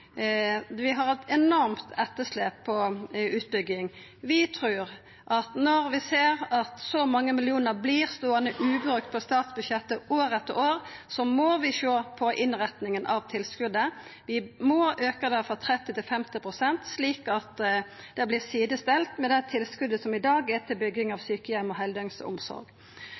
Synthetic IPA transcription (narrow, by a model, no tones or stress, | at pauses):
ʋɪɦɑʁɛt̪ɛnɔɾmt̪ʰɛt̪ːəsleːpʰːɔʉːt̪̚bʏɡɪŋ | ʋɪt̪ʰɾʉːɾ | ʔɑt̪nɔɾʋɪseːɾɑt̪sɔmɑŋːəmɪlɪuːnəʁbliːʁst̪oːənəʔʉːbɾʉk̚t̪̚pʰɔst̪ɑːt̪sbʉʃjɛt̪ːəʔoːɾɛt̪ːəoːɾsɔmɔʋɪʃoːpʰɔʔɪnʁɛt̪nɪŋənʔɑʋt̪ʰɪlskʉd̪əʋɪmɔʔøːkəd̪ɛfɔt̪ʰʁɛt̪ːɪt̪ɪlfɛmt̪ɪpʰʁʊsɛnt̪sliːkɑt̪ | d̪̥ɛblɪsiːd̪əst̪ɛlt̪mɛd̪ɛt̪ʰɪlskʉd̪əsɔmɪd̪ɑːɡɛt̪ʰɪlbʏɡɪŋɑʋsyːkəjɛmɔɦɛld̪œŋsə̰ʊ̰msɔ̰ɾɡ